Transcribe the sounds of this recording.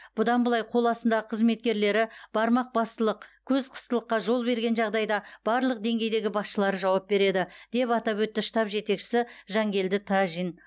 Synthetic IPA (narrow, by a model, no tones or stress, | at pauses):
b̥ʊd̪ɑnbəlˠɑjqʰo̞lˠɑsənd̪ɑʁəqʰəzme̞t̪̚kʲe̞ɾle̞ɾɪb̥ɑɾmɑq̚bɑst̪əlˠəqkʲʰɵzqʰə̥st̪əlˠəqːɑʒo̞lˠbe̞ɾɡʲe̞nʒɑʁd̪ɑjd̪ɑb̥ɑɾlˠəq̚d̪e̞ŋɡʲe̞jd̪e̞ɡʲɪbɑsʃəlˠɑɾəʒɑwɑp̚be̞ɾe̞d̪ɪd̪̥e̞pɑt̪ɑpwɵt̪ːɪʃt̪ɑpʒe̞t̪e̞kʃɪ̥sɪʒɑŋɡʲe̞ld̪ɪt̪ʰɑʒin